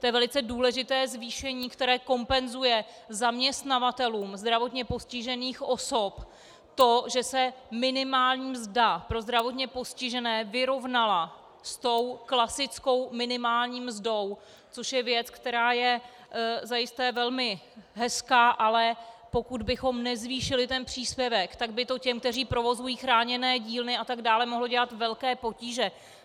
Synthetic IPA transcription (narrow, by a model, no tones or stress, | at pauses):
t̪ojɛvɛlɪt͡sɛduːlɛʒɪt̪ɛːzviːʃɛɲiːkt̪ɛɾɛːko̞mpɛnzujɛ | zamɲɛst̪navat̪ɛluːmzd̪ɾavo̞t̪ɲɛpo̞scɪʒɛniːxʔo̞so̞p | t̪oʒɛsɛmɪnɪmaːlɲiːmzdapɾo̞zd̪ɾavo̞t̪ɲɛpo̞scɪʒɛnɛːvɪɾo̞vnala | st̪o̞wklasɪt͡sko̞wmɪnɪmaːlɲiːmzdo̞w | t͡soʃjɛvjɛt͡skt̪ɛɾaːjɛ | zajɪst̪ɛːvɛlmɪɦɛskaːʔalɛpo̞kud̪bɪxo̞mnɛzviːʃɪlɪt̪ɛnpr̝̥iːspjɛvɛkt̪aɡ̚bɪt̪o̞cɛmkt̪ɛr̝iːpɾo̞vo̞zujiːxɾaːɲɛnɛːɟiːlnɪʔat̪aɡdaːlɛmo̞ɦlo̞ɟɛlat̪vɛlkɛːpo̞ciːʒɛ